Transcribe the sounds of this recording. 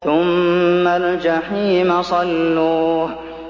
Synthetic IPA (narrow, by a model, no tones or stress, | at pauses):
θʊmːald͡ʒaħiːmasˤɑlːuːh